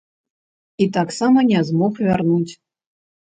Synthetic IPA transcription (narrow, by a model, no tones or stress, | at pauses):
it̪aksamɐnʲazmɔxvʲarnut͡sʲ